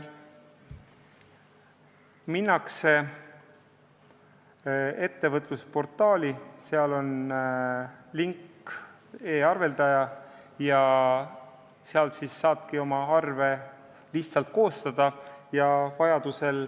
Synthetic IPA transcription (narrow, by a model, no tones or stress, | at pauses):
minːɑkse̞ | e̞t̪ːe̞vɤt̪ˑluspo̞rt̪ːˑɑːlʲiseɑlo̞n | liŋkː | e̞ːɑrve̞ld̪̥ɑjɑ | jɑ | seɑlsiːsːɑːb̥kio̞mɑɑrve̞ | liçt̪sɑlt̪̚ko̞ːst̪ɑd̪̥ɑjɑvɑjɑd̪̥use̞l